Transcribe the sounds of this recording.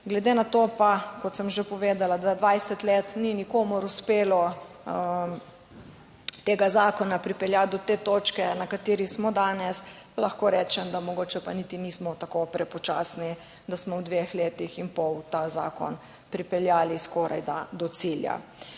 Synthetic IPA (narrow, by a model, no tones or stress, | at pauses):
ɡlɛd̪enat̪opakɔt̪səmʒepɔʋeːd̪alad̪ʋad̪ʋajsɛt̪leːt̪ninikoːmuɾuspeːlɔ | t̪eːɡazaːkɔnapɾipɛljat̪̚d̪ɔt̪eːt̪ot͡ʃkɛnakat̪eːɾismɔd̪aːnɛs | laxkoːɾɛt͡ʃɛmd̪amɔɡoːt͡ʃɛpanit̪inismɔt̪akopɾɛpɔt͡ʃa̰ːsni | d̪asmɔwd̪ʋexleːt̪ixinpɔwt̪aza̰ːkɔ̰n | pɾipɛljaːliskɔːɾa̰jd̪ad̪ɔt̪silja̰